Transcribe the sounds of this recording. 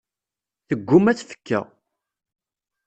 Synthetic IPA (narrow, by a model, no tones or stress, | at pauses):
θəɡʷːʊmæt͡sːfə̥kːæ̰